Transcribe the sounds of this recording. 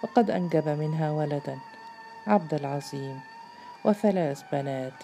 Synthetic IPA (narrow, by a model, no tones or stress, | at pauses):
fɑqɑd̪ʔanɡabamɪnɦaːwalad̪an | ʕab̚d̪alʕɑzˤiːm | wʔɪθalaːθbanaːt̪